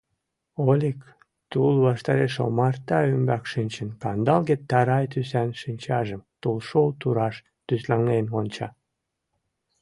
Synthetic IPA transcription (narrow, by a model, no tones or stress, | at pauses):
olʲik | t̪ulβɑʃt̪ɑɾeʃo̰mɑrt̪ɑymbɑkʃɨnʲt͡ɕənkɑnd̪ɑlɣet̪ːɑɾɑjt̪ysænʃinʲt͡ɕɑʒəmt̪ulʃolt̪uɾɑʃ | t̪yslɑnenonʲt͡ɕɑ̰